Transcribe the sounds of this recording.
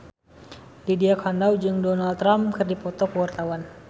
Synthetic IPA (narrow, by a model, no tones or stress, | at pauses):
lidiakʰanawd͡ʒɨŋdɔnalt̪ːɾamkɨrdipɔt̪ɔkəwart̪awan